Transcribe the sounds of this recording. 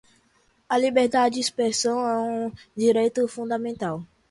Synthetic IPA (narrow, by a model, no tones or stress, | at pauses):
ɐlibeɾd̪ad͡ʒɪd͡ʒɪispɾesɐ̃w̃ɛ̃ũd͡ʒiɾejt̪ʊfũd̪ɐmẽnt̪aw